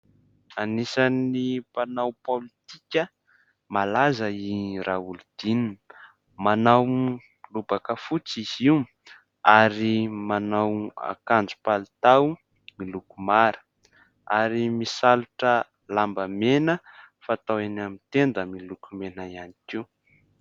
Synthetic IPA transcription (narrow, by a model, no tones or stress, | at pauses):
anisanipanawpolit̪ikʲə | malazəiraulud̪̥inin | manaw | lubakəfut͡siz̥iu | aɾimanawa̰kand͡zu̥palit̪aw | milukumaɾə̥ | aɾimisaluʈ͡ʂə | lambəmenə | fat̪awenamint̪end̪əmilukumenaianikiw